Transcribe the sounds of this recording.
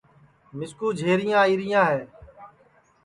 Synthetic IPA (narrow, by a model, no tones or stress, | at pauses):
mɪskuːd͡ʒʱeːɾɪjãːiːɾɪjãːɦeː